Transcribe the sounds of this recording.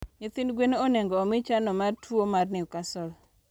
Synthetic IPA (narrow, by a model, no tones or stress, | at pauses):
ɲet̪inɡwenonɛŋɡɔːmɪt͡ʃanɔmartwomarnɪukasɔl